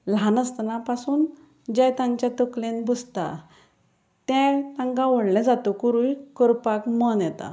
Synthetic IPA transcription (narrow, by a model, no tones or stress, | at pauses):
lãnəst̪napasuːn | d͡ʑɛ̃jt̪ãɲt͡ɕjat̪ɔklenbud͡zt̪a̰ | t̪ɛ̃t̪ãŋkãʋɔɽlɛ̃d͡zat̪okuɾujkɔɾpakmɔnjɛt̪a̰